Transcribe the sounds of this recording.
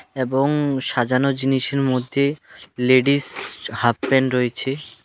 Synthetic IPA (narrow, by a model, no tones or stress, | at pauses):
eboŋʃad͡ʑanod͡ʑiniʃeɾmod̪ʱːeleɖishap̚pɛɳɖɾoet͡ɕʰe